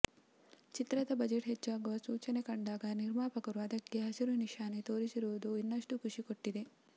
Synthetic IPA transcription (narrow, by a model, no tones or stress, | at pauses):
t͡ʃit̪ɾɐd̪ɐbɐd͡ʒeʈɦet͡ʃːaːɡuʋɐsuːt͡ʃɐne̞kɐɳɖaːɡɐniɾmaːpɐkɐɾuɐd̪ɐkːe̞ɦɐsiɾuniʃaːnet̪o̞ːɾisiɾuʋud̪uinːɐʂʈukʰuʂikoʈːid̪e̞